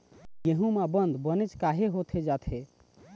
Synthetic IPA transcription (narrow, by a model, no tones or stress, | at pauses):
jeɦũmabənd̪ʱbənɛt͡ʃkaɦeɦot̪ʰed͡ʒat̪ʰe